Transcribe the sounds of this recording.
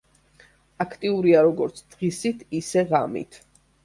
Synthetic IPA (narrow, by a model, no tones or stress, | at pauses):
akʰt̪ʼiuɾiaɾɔɡɔɾt̪sʰd̪̥ʁisit̪ʰisɛʁamḭt̪ʰ